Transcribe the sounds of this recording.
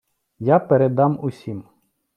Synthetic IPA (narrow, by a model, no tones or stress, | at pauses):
japeɾed̪ɑmʊsʲim